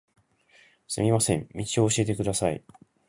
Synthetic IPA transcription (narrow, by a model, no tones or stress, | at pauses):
sɨmʲimasẽ̞mmʲit͡ɕio̞ːɕie̞t̪̬e̞kɯ̟d̪asaḭ